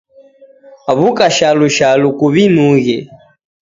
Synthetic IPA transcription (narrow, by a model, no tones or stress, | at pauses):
aβukʼaʃaluʃalukuβinuɣɛ̰